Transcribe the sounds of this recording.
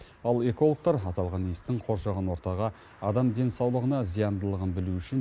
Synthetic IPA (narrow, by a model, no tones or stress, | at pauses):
ɑlˠe̞ko̞lˠok̚t̪ɑɾɑt̪ɑlˠʁɑnijst̪ɪɴqʰo̞ɾʃɑʁənwo̞ɾt̪ɑʁɑ | ɑd̪ɑmd̪e̞nsɑwlˠəʁənɑzijɑnd̪əlˠəʁənbɪluʏʃɪn